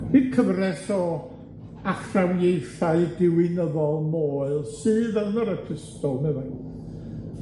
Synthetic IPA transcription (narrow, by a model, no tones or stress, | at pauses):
hikʰəvrɛsɔ | aχrawjejθaɨdɪwɪnəðɔlˠmoːɨlˠsɨːðɛlˠnɔɾətʰəstɔlˠnɛva